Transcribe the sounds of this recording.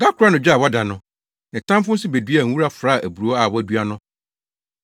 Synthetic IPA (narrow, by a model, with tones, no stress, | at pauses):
ɡa˦kʰʊ˨ɾa˦nʊ̃˨d͡ʑᶣa˨wɔ˦da˨nʊ̃˦ | nɪ̃˨tʰã˦m˦fʊ̃˦n̩˦sɪ˦be˨dɥa˨ŋ̩˦wu˦ɾa˦fɾa˦˨ʔæ˨bu˨ɾu˨˦ɔ˦a˨wɔ˦æ˨du˦a˦nʊ̃˦